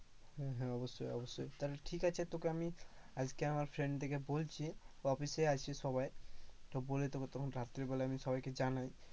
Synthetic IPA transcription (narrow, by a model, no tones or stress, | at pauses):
hɛ̃ɦɛ̃ɔbosːojɔbosːojt̪aɾʈʰikat͡ɕʰet̪okeami | ad͡ʑkeamaɾfʰɾeɳɖt̪ʰekebolt͡ɕʰiɔfiseat͡ɕʰiʃɔbajt̪obolet̪oket̪ɔkʰonɾat̪ːɾeɾbɔleamiʃɔbajked͡ʑanaj